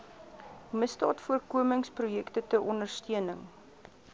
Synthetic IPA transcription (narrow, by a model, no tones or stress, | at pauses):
məstɑ̰ːtfuərkuəməŋsprujɛktətəʔɔndərstiənəŋ